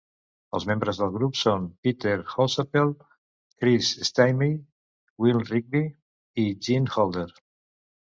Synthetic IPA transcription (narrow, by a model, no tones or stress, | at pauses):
ə̰lˠzmẽmbɾəzðəlˠɣɾupsonpit̪eɾxosəpel | kɾisest̪ajmi | wilˠrik̚bi | id͡ʒinhɔlˠd̪əɾ